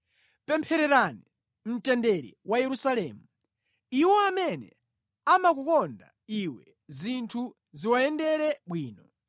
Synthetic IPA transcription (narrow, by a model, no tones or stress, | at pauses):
pɛmpʰɛɾɛɾani | m̩tɛndɛɾḭwʔajɛɾusalɛːmu | iwɔamɛnɛ̰ | amak̬ukɔnda̰ | iwɛ | zintʰu | ziwaɛndɛɾɛɓwiːnɔ